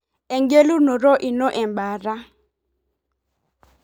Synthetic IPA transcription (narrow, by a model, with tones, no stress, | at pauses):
ɛ˨ŋɡe˦lu˦nɔ˨ɾɔ˦ʔi˨nɔ˦ʔɛ˨mɓa˨ɾa˦